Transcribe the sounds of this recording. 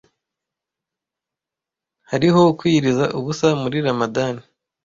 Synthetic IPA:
haɾiɦo̞kwiːɾizaʔuβusamuɾiɾamadani

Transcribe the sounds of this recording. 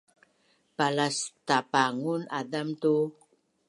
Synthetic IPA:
palastapaŋunadamtu

